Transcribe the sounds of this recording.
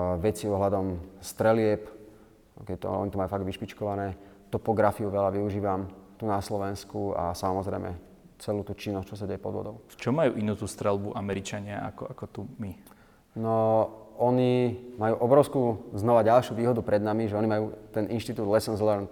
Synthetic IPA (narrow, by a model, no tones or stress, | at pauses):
ʋɛt͡siɔɦlad̪ɔmst̪ɾɛlɪɛp | ɔkɛt̪ɔ̰ɔ̰ɲit̪ɔmajuːfaɡd̪ʋiʃpit͡ʃkɔʋanɛːt̪ɔpɔɡɾafiuʋɛlaʋiuʒiːʋamt̪unaslɔʋɛnskua̰samɔzɾɛjmɛ̰ | t͡sɛluːt̪uːt͡ʃinːɔst͡ʃɔsaɟɛjɛpɔd̪ʋɔ̰d̪ɔʊft͡ʃɔmːajṵːʔinuːt̪ust̪ɾɛlbuʔamɛɾit͡ʃaɲɪaa̰kɔakɔt̪umi | nɔɔɲimajuːʔɔbɾɔʊskuznɔʋaɟalʃjuʋiːɦɔd̪upɾɛd̪namiʒɛɔnimajuːt̪ɛnʔinʃt̪it̪uːd̪lɛsɔnzlɛɾnt̪